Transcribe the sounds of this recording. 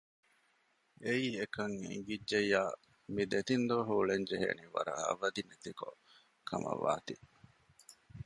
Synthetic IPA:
eiːekɐŋḭŋɡidːejːaː | mid̪et̪ind̪oːɦuːɭeɲd͡ʒeɦḛːniʋɐ̰ɾɐ̰ɐ̰ʋɐd̪inet̪iko | kʰɐmɐ̰ʋa̰ːt̪i

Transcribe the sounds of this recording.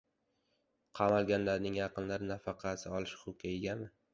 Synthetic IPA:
qʰɑmalˠɡʲanlaɾnɪŋjɑqɨnlaɾɪnafɑqʰɑsɪɒlˠɪʃχʊkʲʰajɡʲanɪ

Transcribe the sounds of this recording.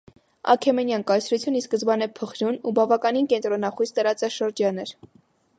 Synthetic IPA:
ɑ̰kʰɛmɛnjɑnkɑjt͡sʰɾut͡sʰjuniskəzbɑnɛpʰəχɾunubɑvɑkɑninkɛnt̪ɾɔnɑχujst̪əɾɑt͡sɑʃəɾd͡ʒɑnɛɾ

